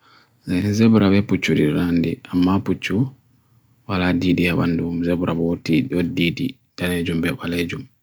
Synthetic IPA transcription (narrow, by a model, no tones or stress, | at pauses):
enzeβuɾaβeput͡ʃulḭlandiamapucu | βaladidiaβa̰ndumuzeβuɾʔaβotiodidi | daneɟumbeβaleɟumi